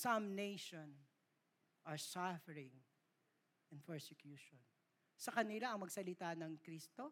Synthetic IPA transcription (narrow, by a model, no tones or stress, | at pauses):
sɐmnejʃon | ʔɐɹsafɛɹɪ̃ŋ | ɛ̃npɛɹsɛkjuːʃɔn | sɐkɐnɪlaʔɐŋmɐɡsɐlɪt̪anɐŋkɾist̪o